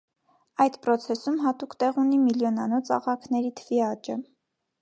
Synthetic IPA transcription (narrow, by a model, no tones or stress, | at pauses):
ɑjd̪pɾɔt͡sʰɛsumɦɑt̪ukt̪ɛʁunimiljɔnɑnɔt͡sɑ̰ʁɑkʰnɛɾit̪ʰəviɑt͡ʃə